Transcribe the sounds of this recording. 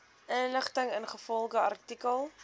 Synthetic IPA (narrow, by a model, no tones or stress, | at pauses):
ʔənləχtəŋənχəfɔlˠχəɐrtikəlˠ